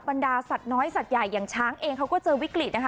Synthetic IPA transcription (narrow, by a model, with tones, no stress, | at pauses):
ba˧ndaː˧sa˨˩t̪̚nɔː˦˥jsa˨˩t̪̚ja˨˩jːaː˨˩ŋt͡ɕʰaː˦˥ŋʔeː˧ŋkʰa˦˥wkɔː˥˩t͡ɕɤː˧wi˦˥kli˨˩na˦˥kʰ